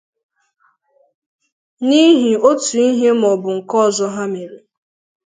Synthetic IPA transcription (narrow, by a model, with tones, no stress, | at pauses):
ni˦ɦi˨o˦tu˨i˦ɦe˦m˨ɔ˨bʊ˨ŋ̩˨kɔ˦˨zɔ˦ɦa˦me˨ɾi˨